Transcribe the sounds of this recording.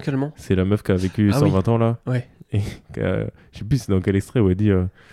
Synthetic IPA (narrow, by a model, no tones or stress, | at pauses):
k̪ɛlmɑ̃sɛlamœfkavekʲysɑ̃vɛ̃t̪ɑ̃lawɛeka̰ | ʃɛplysɛd̪ɑ̃kɛlɛkst̪χɛwɛd̪iø